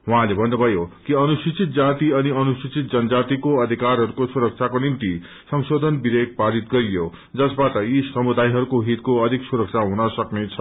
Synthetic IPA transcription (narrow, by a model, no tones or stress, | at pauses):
ɦwɦãlebʱʌnːubʱʌjokiʌnusit͡sit̪̚d͡zat̪iʌniʌnusit͡sʰit̪̚d͡zʌnʌd͡zat̪ikoʌd̪ʱikarɦʌɾukosuɾʌk̚t͡sʰakonimt̪i | sʌŋsod̪ʱʌnbiɾek̚paɾit̪ɡʌɾijo | d͡zʌsbatʌjisʌmud̪ajɦʌɾukoɦit̪koʌd̪ʱiksuɾʌk̚t͡sʰaɦunʌsʌknet͡sʰʌ